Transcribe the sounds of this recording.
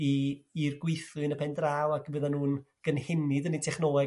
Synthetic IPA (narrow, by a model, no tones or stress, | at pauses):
iirɡwɪjθʊɨnəpʰɛndraːwakʰvəðanuːnɡ̥ənhɪnɪdənitʰɛχnɔːɛ